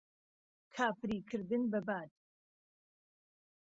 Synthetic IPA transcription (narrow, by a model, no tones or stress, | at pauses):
kʰaːpɾiːkʰɨɾd̪ɨnbɐbaːt̪̚